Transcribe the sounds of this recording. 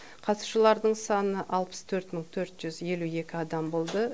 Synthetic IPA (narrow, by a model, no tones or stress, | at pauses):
qʰɑt̪uʃəlˠɑɾd̪əɴsɑnəʔɑlˠpə̥st̪ʰɵɾt̪məɴt̪ʰɵɾt̪ʒ̥ʏzje̞lue̞kʲɪɑd̪ɑmbo̞lˠd̪ə